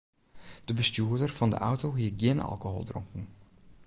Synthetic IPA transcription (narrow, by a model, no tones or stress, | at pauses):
d̥əbəstjuədərfɑndə̰ʔawtoɦiəɡjɪnɑ̰lˠkoɦo̰ːlˠdrʊ̰ŋkn̩